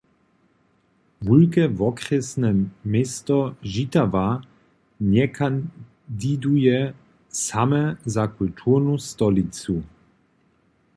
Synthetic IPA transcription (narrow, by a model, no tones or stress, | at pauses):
vulkɛvɔkɾɛsnɛmest̪ɔʒit̪ava | ɲɛkʰan | d̪id̪ujɛ | samɛzakult̪ʰuɾnust̪ɔlit͡su